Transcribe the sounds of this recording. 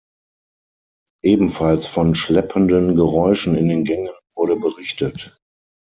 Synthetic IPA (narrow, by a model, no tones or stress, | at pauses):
ʔeːbm̩falsfɔnʃlɛpʰəndənɡəʁɔʏʃn̩ɪndeːnɡɛŋənvʊɐɾəbəʁɪçtət